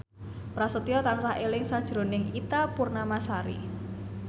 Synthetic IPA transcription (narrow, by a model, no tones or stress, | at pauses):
pɾasut̪iɔt̪ansahelɪŋsad̥ʒ̥ɾo̤nɪŋit̪apurnamasaɾḭ